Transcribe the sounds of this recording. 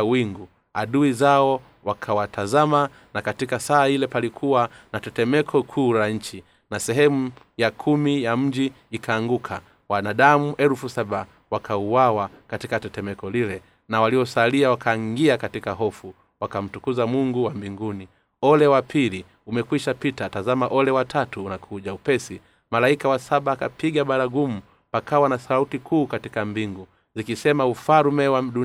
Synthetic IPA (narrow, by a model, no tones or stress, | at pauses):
wiŋɡu | aɗuizaɔ | wakʰawatʰazama | nakatikasaːilɛpalikʰuwanatɛtɛmɛkʰɔkʰuːlaɲ̩t͡ʃi | nasɛɦɛmujakʰumijam̩d͡ʒiː | kʰaːŋɡukʰa | wanaɗamuʔɛlfusaɓa | wakʰauwawakatikatɛtɛmɛkɔlilɛ | nawaliɔsaliawakʰaŋɡiakatikaɦɔfu | wakam̩tukuzamuŋɡuwambiŋɡuni | ɔlɛwapʰili | umɛkwiʃapitatazamaʔɔlɛwatʰatuːnakʰuʄaupɛsi | malaikawasaɓaːka̰piɠaɓaɾaɡumu | pakawanasautikʰuːkatikambiŋɡu | zikisɛmaufaɾmɛwaɗu